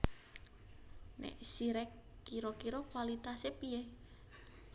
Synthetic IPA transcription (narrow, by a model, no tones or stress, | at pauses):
nɛ̰ʔsiɾɛkːiɾokiɾɔkwalit̪asepie